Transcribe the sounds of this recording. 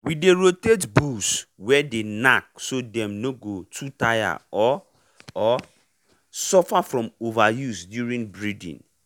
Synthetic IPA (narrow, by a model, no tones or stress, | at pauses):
wideɹotetbuswɛdenak̚sodɛ̃mnoɡotʰutaja̰ɔ | ɔ | sɔfafɹɔ̃movajusdjuɹĩŋbɹidḭ̃n